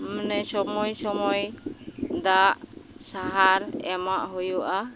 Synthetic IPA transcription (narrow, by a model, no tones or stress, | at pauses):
mnɛsɔmɔjsɔmɔj | d̪aʔsaɦaɾɛ̰maʔɦujuʔa